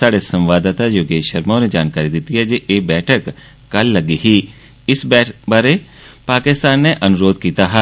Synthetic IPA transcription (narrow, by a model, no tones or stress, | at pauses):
saːɽesɐ̃mʋaːd̪ət̪ajoːɡeːʃəɾmõned͡ʒaːnkaːɾid̪it̪iɦɛd͡ʒeʔeːbɛːʈʰək | kɐlːɐɡiɦi | ɪsbɛbaɾe | paːkɪst̪aːnːeʔɐnʊɾoːd̪kiːt̪aɦɛ